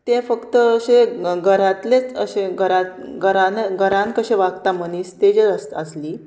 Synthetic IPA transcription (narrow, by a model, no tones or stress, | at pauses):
t̪ẽfəkt̪əːɕeɡʱəɾãt̪let͡səɕeɡʱəɾãtɡəɾaneɡʱəɾãnkəɕẽʋaɡt̪amənist̪ed͡ʑeɾəst̪əsliː